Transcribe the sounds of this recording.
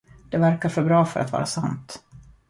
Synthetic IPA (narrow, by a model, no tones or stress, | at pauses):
d̪̥ɛvæɾkaɾfœɾbɾɑːfœ̰ɾa̰t̪vɑ̰ːɾasant̪